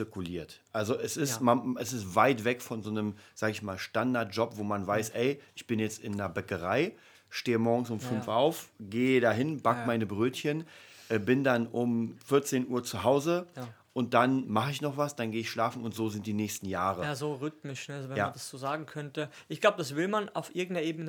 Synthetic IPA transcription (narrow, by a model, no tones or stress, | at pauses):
t͡sɪɐkuliːɐtʔalzoʔɛsɪstmaɛsɪstvaɪtv̥ɛkfɔnzoːnəmz̥aːɡəɪçmaːlʃtandaɐt̚ʒ̥ɔpvoːmanvaɪsʔɛɪʔɪçb̥ɪnjɛt͡stɪndɐbɛkəʁaɪ | ʃteːəmɔɐɡŋ̩sʊmfʏnfʔaʊfɡeːdaɦɪnb̥akmaɪnəbʁøːtçənʔɛːbɪndanʔʊmfɪɐt͡seːnʔuːɐt͡suɦaʊzəʔʊnt̚d̥anmaχəɪçnɔχv̥asd̥anɡeːɪçʃlaːfn̩ʊntz̥oːzɪnt̚d̥iːnɛːçstn̩jaːʁəjazoʁʏtmɪʃnəazovɛjaːd̥asz̥oːzaːɡŋ̩kʰœntəʔɪçɡ̥laʊbədasv̥ɪlmana̰ʊfʔɪɐɡŋ̩tɐʔeːbənə